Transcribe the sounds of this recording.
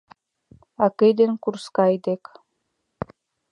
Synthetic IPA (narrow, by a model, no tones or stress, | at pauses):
ɑkejd̪enkurskɑjd̪ek